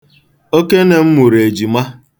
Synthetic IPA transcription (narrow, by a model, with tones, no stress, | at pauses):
o˦ke˦ne˨m̩˦mu˨ɾe˨d͡ʒi˨ma˦